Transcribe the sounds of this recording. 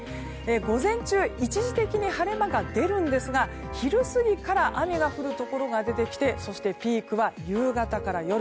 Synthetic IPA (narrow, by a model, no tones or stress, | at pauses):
e̞ɡo̞zẽ̞ɲt͡ɕɨːit͡ɕiʑit̪e̞kʲiɲ̟ihaɾe̞maɡad̪e̞ɾɯ̟̃nd̪e̞sɨɡa | çiɾɯ̟sɨɡʲikaɾaʔamʲiɡaɸɯ̟ɾɯ̟t̪o̞ko̞ɾo̞ɡad̪e̞t̪e̞kʲi̥t̪e̞so̞ɕi̥t̪e̞pʲiːkɯ̟βajɯːɡat̪akaɾajo̞ɾ